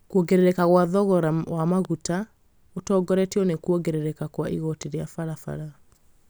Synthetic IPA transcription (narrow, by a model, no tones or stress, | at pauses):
kuoɡeɾeɾɛkaɣwaðɔɣɔɾawamaɣuta | otɔːɡɔɾɛtiɔnekuɔɡeɾeɾɛkakwaʔḭɣɔteɾjafaɾafa̰ɾa